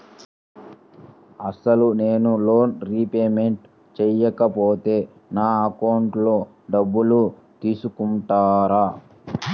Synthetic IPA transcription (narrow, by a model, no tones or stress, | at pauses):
ɐsɐlune̞ːnulo̞ːnɾiːpeːme̞ɳʈ | t͡ʃɛjɐkɐpoːt̪e̞ː | naːɐkɐwɳʈlo̞ː | ɖɐbːulu | t̪iːsukuɳʈaːɾaː